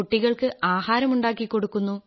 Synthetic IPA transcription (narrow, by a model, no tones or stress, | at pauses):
uʈːiɣɐɭkɨʔaːhaːɾɐmuɳɖaːkːikːo̞ɽukːunːu